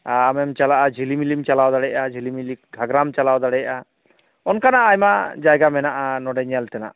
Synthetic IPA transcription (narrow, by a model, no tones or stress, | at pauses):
aamɛmt͡ʃalaʔad͡ʒʱilimilimt͡ʃalawd̪aɽɛjʔad͡ʒʱilimilik̚ɡʱaɡɾamt͡ʃalawd̪aɽɛjʔa | ɔnkanaʔːjmad͡ʒajɡamɛnaʔanɔɖɛɲɛlt̪ɛna̰ʔ